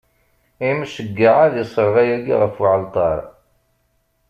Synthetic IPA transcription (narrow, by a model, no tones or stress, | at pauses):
imʃəɡːaʕaðjəsˤəɾˤʁæjæɡḭʁəfuʕəlt̪ˤɑɾˤ